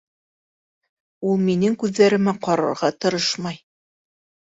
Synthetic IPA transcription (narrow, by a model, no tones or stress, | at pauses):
ulˠminɘŋkʉðːæɾɘ̆mæqɑɾɤ̰̆ɾʁɑt̪ɤ̆ɾɤʃmɑj